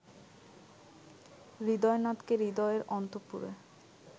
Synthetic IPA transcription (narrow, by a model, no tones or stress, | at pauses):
ɾid̪ɔenat̪keɾid̪ɔeɾɔnt̪opṵɾḛ